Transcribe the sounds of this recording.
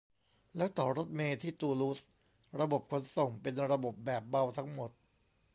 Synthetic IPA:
lɛː˦˥wt̪ɔː˨˩ɾo˦˥t̪̚meː˧t̪ʰiː˥˩t̪uː˧lu˦˥s | ɾa˧bo˨˩p̚kʰo˨˦˥nso˨˩ŋpe˧nɾa˧bo˨˩p̚bɛː˨˩p̚ba˧wt̪ʰa˦˥ŋmo˨˩t̪̚

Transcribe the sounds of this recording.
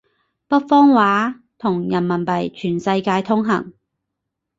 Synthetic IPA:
pɐ˥t̚fɔː˥ŋwaː˨˥ | t̪ʰʊ˨˩ŋjɐ˨˩nmɐ˨˩npɐ˨˩jt͡ʃʰyː˨˩nsɐ˧jkaː˧jt̪ʰʊ˥ŋɦɐ̰˨˩ŋ

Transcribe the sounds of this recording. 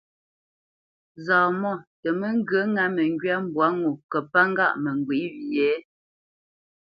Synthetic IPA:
zaː˨mɔ˦˨tə˨mə˦ŋ̩˦ɡɰə˦ŋa˦mə˨ŋɡɥa˦m̩˦bwa˨˦ŋu˨kə˨pa˦ŋ˦ɡa̰˦ʔmə˨ŋ˨ɡwi˨˦wi˨jɛː˨˦

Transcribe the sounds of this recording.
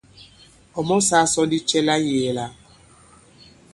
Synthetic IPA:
ɔ˨mɔ˦sa˦sɔ˦di˦t͡ʃɛ˦la˦je˨la˦

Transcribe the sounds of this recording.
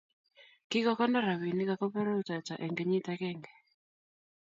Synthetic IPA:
ki˦kɔ˦kɔ˦nda˦ɾa˨wi˨ni˦ka˨kɔ˦pɛ˦ɾo˦t͡ʃa˨t͡ʃa˨ʔɛ˨ŋɡɛ˨ɲi˦takɛŋɡɛ˨

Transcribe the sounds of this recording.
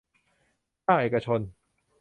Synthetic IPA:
aː˥˩ʔeː˨˩ka˧t͡ɕʰo˧n

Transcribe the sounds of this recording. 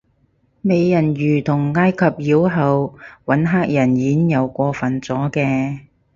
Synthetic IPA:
me˨˧jːɐ˨˩njyː˨˩t̪ʰʊ˨˩ŋːaː˥jkʰɐ˨p̚jiː˨˥wɦɐ˨wwɐ˨˥nɦaː˥k̚jɐ˨˩njiː˨˥njɐ˨˧wkʷɔː˧fɐ˨nt͡sɔː˨˥kɛː˧

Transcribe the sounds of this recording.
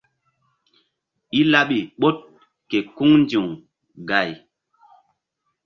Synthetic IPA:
i˦la˦ɓi˨ɓo˦t̚ | ke˨ku˦ŋnd͡ʒu˨ŋ | ɡa˨j

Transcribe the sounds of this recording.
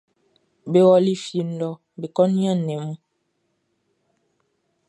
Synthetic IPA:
be˨wɔ˦li˦fji˨n̩˨lɔ˨ | be˨kɔ˦nja˦˨nːɛ˨mu˦

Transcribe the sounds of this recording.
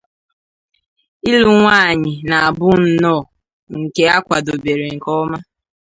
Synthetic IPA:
i˦lu˨ŋʷaː˦˨ɲɪ˨na˨a˨bʊ˦n̩˨nɔː˦˨ | ŋŋ̩˨ke˦a˦kʷa˨do˨be˨ɾe˨ŋ̩˨kɔ˦ma˦

